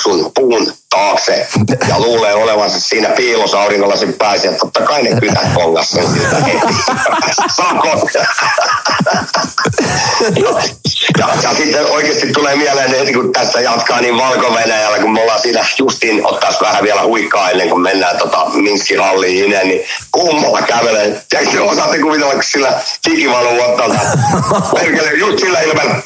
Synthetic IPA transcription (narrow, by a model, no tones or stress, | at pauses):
sunpuːnt̪ɑːksejɑ̰luːleːoleʋɑnsɑssiːnæpiːlosɑuriŋːolːɑsippɑisiɑt̪t̪ːot̪ːɑkɑinekyt̪æt̪koŋːɑ̰ssensit̪æeit̪ːi | sɑkot | nojɑ̰jɑsit̪ːeʔoikeːst̪it̪tuleːmiælenet̪ikut̪æst̪ːæjɑt̪kɑːniːʋʋɑlkoʋenæjælːækummolːɑːsiːt̪æjust̪iːno̰t̪ːɑsʋæhæʋiælæhuikːˑɑːenːeŋkummenːæːnt̪ot̪ɑ̰miŋkːihɑlːiːinenni | kumːɑlːɑkæʋelet̪iæksseosɑˑt̪ːikuʋit̪elːɑkku̥ssilːætikiʋɑloot̪ːɑlt̪ɑperkelːejust̪silːæilmɑl